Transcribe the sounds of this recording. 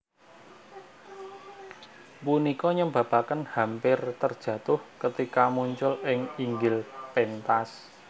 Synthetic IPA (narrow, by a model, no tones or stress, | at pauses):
punikɔɲəmba̤pakənhampɪrt̪ərd̥ʒ̥ä̤t̪ʊhkət̪ikamuɲt͡ʃʊlɪŋiŋɡɪlpent̪as